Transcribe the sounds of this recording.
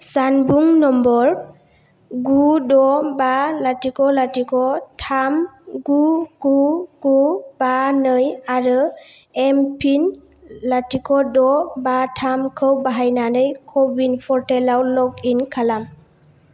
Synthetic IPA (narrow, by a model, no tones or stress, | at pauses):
sanbuŋnɔmbɔɾ | ɡudɔbalatikʰɔlatikʰɔtʰamɡuɡuɡ̥ubanɯjaɾɯ | empʰin | latikʰɔdɔbatʰamkʰɯwbaɦajnanɯjkʰɔbinpʰɔɾtelawlɔkinkʰalam